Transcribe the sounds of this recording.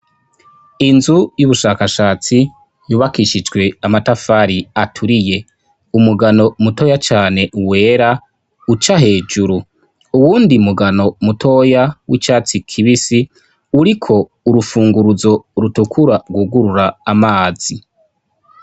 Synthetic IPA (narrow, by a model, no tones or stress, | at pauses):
inzujuβuʃaːkaʃaːt͡si | juːβakiʃid͡ʒɡwe̞amatafaːɾiatʰuɾije̞ | umuɡano̞muto̞jat͡ʃaːne̞ʔuwe̞ːɾa | ut͡ʃaɦe̞ːd͡ʒuɾu | uwuːndimuɡano̞mutʰo̞jawʔit͡ʃaːt͡sikʰiβisi | uɾikʰo̞ | uɾufuːŋɡuɾuzo̞ɾutukʰuɾaɡwuɡuɾuɾaːmaːz̥i